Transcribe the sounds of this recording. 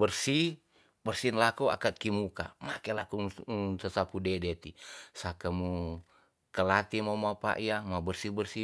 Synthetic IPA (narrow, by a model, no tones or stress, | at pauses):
bərsi | bərsinlakua̰kat̪̚kimukamakɛlakuŋsasapudɛdɛt̪isakamu | kəlat̪imamapa̰ʔiamabərsibərsi